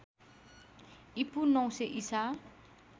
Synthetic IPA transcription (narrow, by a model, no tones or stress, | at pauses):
ipunɔ̃w̃seʔisa